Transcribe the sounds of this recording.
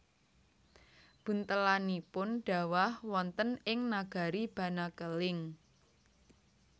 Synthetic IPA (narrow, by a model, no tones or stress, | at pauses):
b̥ṳnt̪əlanipʊnɖ̥a̤wahwɔnt̪ənɪŋnaɡ̥a̤ɾib̥ä̤nakəlɪŋ